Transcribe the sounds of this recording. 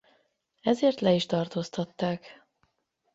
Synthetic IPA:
ɛzeːrt̪lɛiʃt̪ɒrt̪oːst̪ɒt̪ːaːk

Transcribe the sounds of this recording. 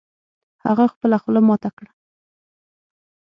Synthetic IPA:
ha̰ɣaxpəlaxlamɑt̪akɽa

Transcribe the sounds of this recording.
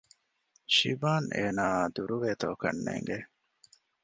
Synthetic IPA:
ʃḭbaːnʔeːnaːd̪uɾuʋeːt̪oːkɐnːḛːŋɡe

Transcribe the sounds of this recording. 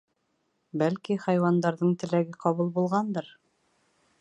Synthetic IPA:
bælkiχæjwɑnd̪ɑɾðɤɴt̪ɘ̆læɡɘqɑβɤlˠbulˠʁɑnd̪ɤɾ

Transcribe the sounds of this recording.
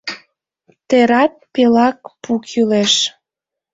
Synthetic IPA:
t̪eɾɑt̪̚pelɑk̚pukʰyleʃ

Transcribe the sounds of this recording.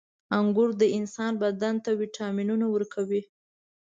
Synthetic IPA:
aŋɡʊɾd̪əɪnsɑnbad̪ant̪awiʈʰɑminunawəɾkʰawi

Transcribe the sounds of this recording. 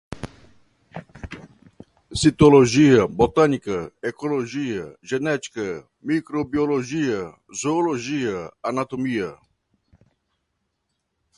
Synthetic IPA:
sit̪oloʒijabot̪anikaɛkoloʒijaʒɛnɛt͡ʃkə | mikɾobioloʒija | zoːloʒijaanat̪omija

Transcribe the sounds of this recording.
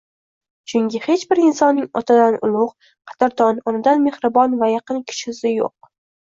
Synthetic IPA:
t͡ʃʰʊŋkʲɪhe̞t͡ʃbɪɾɪnsɒnːɪŋɒ̰t̪ʰad̪anʊ̰lˠʊʁ | qʰɑ̥t̪ʰaɾt̪ʰɒnɒnɪd̪anme̞hɾɨbɒnvajaqɨnkʲʰɪ̥ʃhɪsɪjo̰q̚

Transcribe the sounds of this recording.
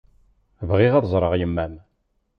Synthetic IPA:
vʁiʁɑðˤzˤɾˤəʁjəmːæm

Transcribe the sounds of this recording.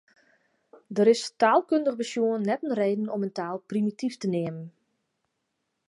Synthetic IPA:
dəɾɪstaːlˠkøndəɣbəsjuənnɛtən̩reːdən̩ɔməntaːlˠprimitiftəneəmən

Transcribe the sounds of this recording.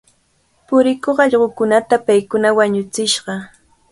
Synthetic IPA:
pʊɾɪkoχɑʎɢokʊnat̪apajkʊnawaɲʊt͡sɪʃɢɑ

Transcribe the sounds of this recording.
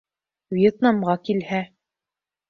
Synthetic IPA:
vjet̪nɑmʁɑkilhæ

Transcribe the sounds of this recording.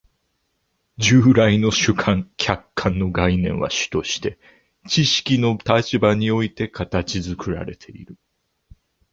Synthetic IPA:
d͡ʑɨːɾaino̞ɕɨkʰãŋkʲʰakʰːãnːo̞ɡainẽ̞̰ɰ̃βa̰ɕi̥t̪o̞ɕi̥t̪e̞ | t͡ɕiɕi̥kʲino̞t̪at͡ɕibaɲ̟io̞it̪e̞kat̪at͡ɕizɨkɯ̟ɾa̰ɾe̞̰t̪ʰe̞ḭɾɯ̟

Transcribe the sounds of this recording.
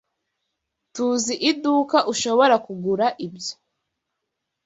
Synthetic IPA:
tuziʔiduːkaʔuʃo̞βo̞ɾakuɡuɾaʔibjo̥

